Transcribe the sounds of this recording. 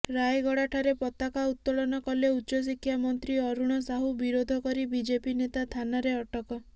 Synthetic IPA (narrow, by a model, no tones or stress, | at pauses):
ɾajɡɔɽaʈʰaɾepɔt̪akaut̪ːɔlɔnɔkɔleutːʃɔs̬ikʰːjamɔnt̪ɾiɔɾuɽ̃ɔsaɦubiɾod̪ʱɔkɔɾibid͡ʒepinet̪at̪ʰanaɾeɔʈɔkɔ